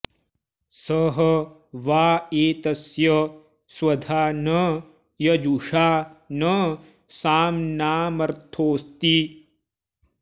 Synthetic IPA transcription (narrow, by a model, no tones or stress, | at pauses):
sɐɦɐ | ʋaːeːt̪ɐsjɐ | swɐd̪ʱaːnɐ | jɐd͡ʒuʂaːnɐ | saːmnaːmɐɾt̪ʰoːst̪i